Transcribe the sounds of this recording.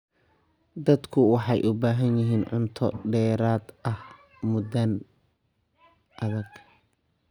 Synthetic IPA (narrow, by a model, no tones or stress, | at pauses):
d̪ɐd̪kʰʊwɑħɑjʔʊbaːɦɐnjɪɦiːnʕʊ̰nt̪ʰɔɖɛːɾaːd̪ʔɐh | mʊdɐn | ʔɐðɐɡ